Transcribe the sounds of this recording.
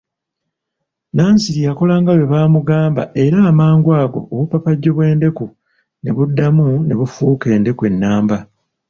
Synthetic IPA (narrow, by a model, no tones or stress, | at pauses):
naːnsiɾijako̞laːŋɡawe̞βaːmuɡaːmba̰e̞ɾaːmaːŋɡwaːɡo̞̰oβupapaɟːo̞βwe̞ːnde̞ku | ne̞̰βudːamune̞βufuːke̞ːnde̞kwe̞nːaːmba